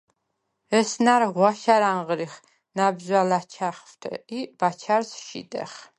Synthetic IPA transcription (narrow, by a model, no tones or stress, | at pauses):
ɛsnaɾʁwaʃaɾaɴʁɾiχ | nabzalat͡ʃʰaχft̪ʰibat͡ʃʰaɾsʃḭd̪ʼɛ̰χ